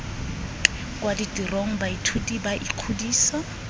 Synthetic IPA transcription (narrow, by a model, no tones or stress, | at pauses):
kʼwaditʼiroŋ̩baitʰutʼibaʔikʰudiːsa